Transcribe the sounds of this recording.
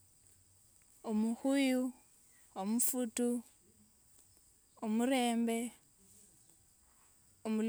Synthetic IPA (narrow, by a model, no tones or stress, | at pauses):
umuxuju | womufutu | omuɾeːmbe | omul